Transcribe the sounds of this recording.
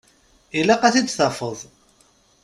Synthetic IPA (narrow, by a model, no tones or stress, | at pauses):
ilæqæθid̪θɑfəðˤ